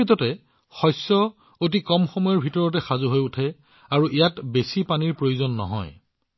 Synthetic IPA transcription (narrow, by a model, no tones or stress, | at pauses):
itɔtɛ | xɔjsːɔ | ot̬ikɔmxɔmɔjɔɹbʱitɔɹɔt̬ɛxazuɦojutʰɛ | aɹuʔijatbesipaniɹpɹojuzonːɔ̰ɦɔ̰j